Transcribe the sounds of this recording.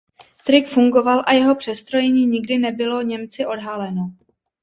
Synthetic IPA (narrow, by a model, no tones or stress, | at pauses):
t̪ɾɪkfuŋɡo̞valʔajɛɦo̞pr̝̥ɛst̪ɾo̞jɛɲiːɲɪɡdɪnɛbɪlo̞ɲɛmt͡sɪʔo̞dɦalɛno